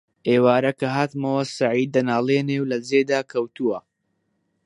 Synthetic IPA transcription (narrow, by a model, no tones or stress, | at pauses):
ʔeːwaːɾɐkɐɦaːt̪mɐwɐsaʕiːd̪̚ːɐnaːleːnewlɐd͡zeːd̪aːkʰɐwt̪uwɐ